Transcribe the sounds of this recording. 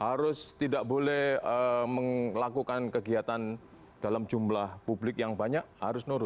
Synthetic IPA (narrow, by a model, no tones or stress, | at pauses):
haɾʊst̪idaʔ̚bolɛhəməŋlakukankəɡiat̪an | d̥alamd͡ʒumlahpublɪk̚jaŋbaɲaʔ̚haɾʊsnuɾʊt̪̚